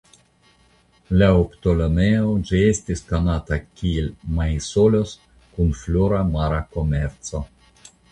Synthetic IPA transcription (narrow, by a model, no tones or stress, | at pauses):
laoptolomeod͡ʒiestiskonatakielmajsolos | kunfloɾamaɾako̞me̞ɾt͡so̞